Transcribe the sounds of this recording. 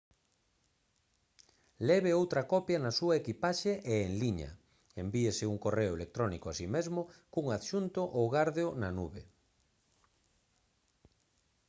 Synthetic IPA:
lɛβeowt̪ɾɐkɔpjɐnasuaekipaʃeʔeːŋliɲɐ̰ | embiesɪuŋkoreʊelek̚t̪ɾɔnikoasimezmʊkuŋaðʃunt̪ʊʔowɣaɾðonanuβḛ

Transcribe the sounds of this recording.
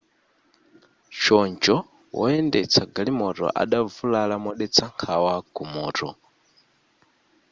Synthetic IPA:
ʃɔnd͡ʒɔ | wʔɔ̰ɛndɛt͡sʰaɡalimɔtɔ̰ʔa̰ɗavulalamɔɗɛt͡sʰaŋkʰawaɡumɔːtɔ

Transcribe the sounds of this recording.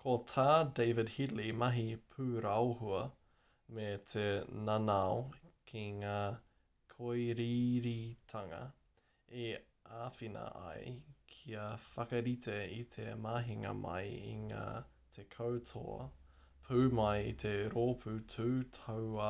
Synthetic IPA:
kʰotʰaːdeɪvɪdhilimɐɦipʰʉːɾawɦuɐ | met̪ʰenanaokʰiŋaː | kʰojɾiɾitʰɐŋɐ̰ | e | ʔaːfinɐ̰ʔɐ̰jkʰiɐfɐkɐɾit̪ʰeit̪ʰemaːɦiŋɐ̰mɐ̰jḭŋa̰ː | t̪ʰekʰowtʰo̰ɐ̰ | pʰʉːmɐjit̪ʰeɾoːpʰʉtʰʉːtʰowɐ

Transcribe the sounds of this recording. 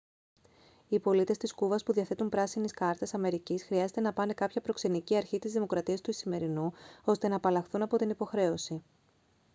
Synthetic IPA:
ipo̞lit̪e̞st̪iskuvɐspuðiɐθe̞t̪umpɾɐsiniskɐɾt̪esɐme̞ɾicisxɾiɐze̞t̪e̞nɐpɐne̞kɐpçɐpɾo̞kse̞niciɐɾçit̪izðimo̞kɾɐt̪iɐst̪uisime̞ɾinuo̞st̪e̞nɐːpɐlɐxθunɐpo̞t̪inipo̞xɾe̞o̞si

